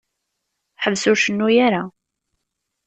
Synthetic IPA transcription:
ħəvːsʊɾʃənːujaɾa

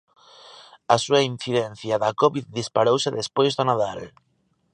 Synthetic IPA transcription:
asuainθiðɛn̟θjaðakɔβiððispaɾowsɪðespojzðʊnaðal

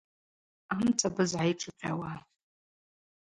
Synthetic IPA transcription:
amt͡sʰʼabɨzʕajʈ͡ʂʰʼɨpʲʼa̰wa

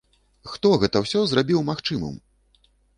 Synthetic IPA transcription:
xt̪ɔɣɛt̪ɐwsʲɔzrabʲiwmaxt͡ʂɨmɐ̰m

